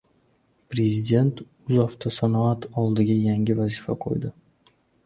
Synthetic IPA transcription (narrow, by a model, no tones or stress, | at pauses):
pɾe̞zid̪ʲe̞nt̪ | ʊzɒft̪ʰasanɒat̪ʰɒlˠd̪ɪɡʲajaŋʲɪvazifaqʰo̰jd̪ɪ